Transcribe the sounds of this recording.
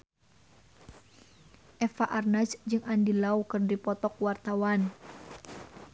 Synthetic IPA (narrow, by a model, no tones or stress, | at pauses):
ʔɛfaʔarnasd͡ʒɨŋʔandilaukɨrdipɔt̪ɔk̚wart̪awan